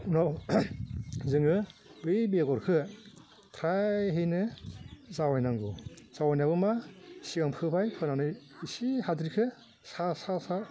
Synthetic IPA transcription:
unaw | zɯŋɯbɯjbeɡɔɾkʰɯ | tʰɾaɦɯjnɯzawajnaŋɡuz̥awajnabɯmasiaŋpʰɯbʰajpʰɯnanɯisihadɾikʰɯ | sasasa

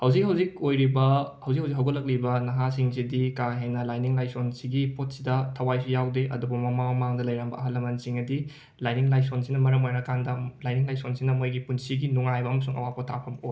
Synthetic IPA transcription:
hɐwzik̚hɐwzik̚ojɾibɐhɐwzikhɐwzikɦɐwɡɐlɐk̚libɐnɐɦasiŋs̬idikaɦenɐlajniŋlajsonsiɡipot̚sidɐtʰɐwajsujawdeʔɐ̰dubɐmɐmaŋmɐmaŋdɐlɐjɾambɐɐɦɐlɐmɐnsiŋɐdi | lajniŋlajsonsinɐmɐɾɐmojnɐkandɐlajniŋlajsonsinɐmojɡipunsiɡinuŋajbɐːmɐsuŋʔɐ̰wapotʰa̰pʰɐmoj

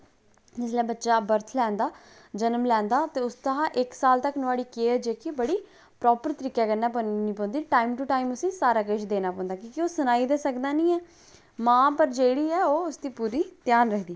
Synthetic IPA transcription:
d͡ʒɪs̬lɛ̃ːbətːʃaːbəɾt̪ʰlɛ̃ːnd̪aː | d͡ʒənmlɛ̃ːnd̪aːt̪eːʊst̪əɦãːʔɪksaːlt̪əknʊaːɽiːkeːd͡ʒeːkebəɽiː | pɾɔːpəɾt̪əɾiːkaːkənaːpənĩːpɔ̃ːnd̪iːʈaːimʈuːʈaːimʊsĩːsaːɾaːkəʃd̪eːnaːpɔ̃ːnd̪aːkĩːkioːsʊnaːiːd̪eːsəkd̪aːnĩːɛː | mãːpəɾd͡ʒeːɽiːɛːoːʊsd̪iːpuːɾiːt̪jaːnɾəkʰd̪iː

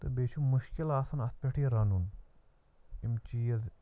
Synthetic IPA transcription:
t̪ɐbeːt͡ʃʰumuʃkilaːsɐnɐs̚pʲeʈʰiɾɐnun | imt͡ʃijɐz

